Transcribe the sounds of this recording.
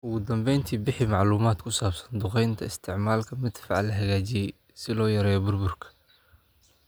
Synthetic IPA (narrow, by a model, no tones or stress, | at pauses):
ʔʊɣʊd̪ɐmbɛjnt̪ʰiːbɪħɪmɑʕluːmaːd̪kʰʊsaːbsɐ̥nd̪ʊqɛjnt̪ʰɐɪst̪ʰɪʕmaːlkʰɐmɪd̪fɑʕ̰lɐɦɐɣaːt͡ʃɪjɛj | sɪlɔːjɐɾɛːjɔbʊrbʊrkʰɐ̥